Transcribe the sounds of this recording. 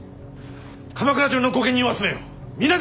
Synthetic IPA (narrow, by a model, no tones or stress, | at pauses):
kʰamakɯɾat͡ɕonokoɡẽ̞ɲ̟ːĩoat͡sɨmeo | mʲinːa